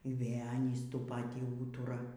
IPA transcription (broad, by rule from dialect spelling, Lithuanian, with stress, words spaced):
iː ˈʋʲeː ˈɑːnʲiːs ˈtuː ˈpɑːtʲiː ˈuːtʊrɐ